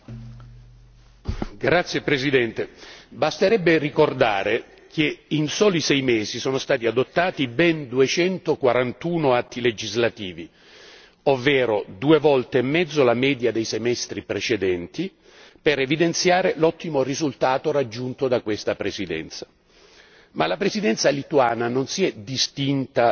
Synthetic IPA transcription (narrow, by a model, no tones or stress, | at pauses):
ɡɾat̪sːjepɾesid̪ɛnt̪ebast̪eɾɛbːerikord̪aːɾe | keinsoːlisɛjmeːzisoːnost̪aːt̪iad̪ot̪ːaːt̪ibɛnd̪uet͡ʃɛnt̪okwaɾant̪uːnoat̪ːiled͡ʒizlat̪iːvi | ovːɛːɾod̪uevɔlt̪eːmːɛd̪zːolamɛːd̪jad̪ejsemɛst̪ɾipɾet͡ʃed̪ɛnt̪i | peɾevid̪ent̪sjaːɾelɔt̪ːimorizult̪aːt̪oɾad͡ʒːunt̪od̪akwest̪apɾesid̪ɛ̰nt̪sḁ | malapɾezid̪ɛnt̪salit̪uaːnanonsiɛd̪ist̪int̪a